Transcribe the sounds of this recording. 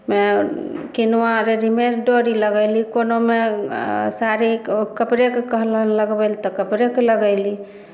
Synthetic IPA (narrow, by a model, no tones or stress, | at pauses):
mekinuãɾeɾimeɾɖoɾiləɡəlikonome | saɾikəpɾekekəɦlənləɡbəlt̪ɔkəpɾekeləɡəɪli